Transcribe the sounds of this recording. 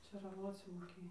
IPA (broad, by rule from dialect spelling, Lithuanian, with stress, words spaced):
t͡ʃʲeːrɐˈʋoːt͡s moːˈkʲeːj